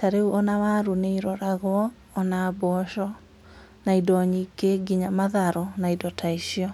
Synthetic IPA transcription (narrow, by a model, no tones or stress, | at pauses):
taɾeuʔɔnawaɾuneiɾɔɾaɣwɔː | nabɔʃɔ | naidɔɲikeɡiɲamaðaɾɔnaidɔtʰaiʃiɔ